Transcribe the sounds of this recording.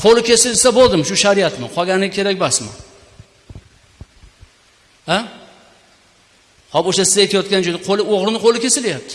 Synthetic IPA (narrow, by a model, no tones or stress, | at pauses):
qʰolɪkʲʰe̞sɪlsabolˠd̪ɪmʃʊʃaɾijat̪mɪqʰɒɡʲanɪkʲʰe̞ɾakʲbasma̰ | a | hɒboʃasɪzajt̪ʰajɒt̪̚kʲand͡ʒojd̪aqʰolɪoʁɾɪnɪqʰolɪkʲʰe̞sɪlajap̚t̪ʰɪ̥